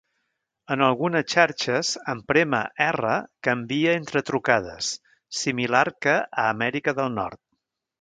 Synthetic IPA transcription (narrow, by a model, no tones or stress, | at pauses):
ənəlˠɣunəst͡ʃaɾt͡ʃəzəmpɾemə̰ʔɛrəkəmbiəent̪ɾət̪ɾukað̞əsː | imilaɾkəʔəːmɛɾikəðəlˠnɔ̰ɾt̪̚